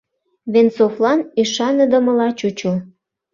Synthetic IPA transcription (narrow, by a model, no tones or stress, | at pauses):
βensoflɑnyʃɑnə̆d̪ə̆mə̆lɑt͡ɕut͡ɕu